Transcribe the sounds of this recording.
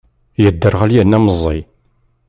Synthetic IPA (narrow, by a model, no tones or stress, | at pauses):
jəd̪ːəɾʁæljænːæməzˤːḭ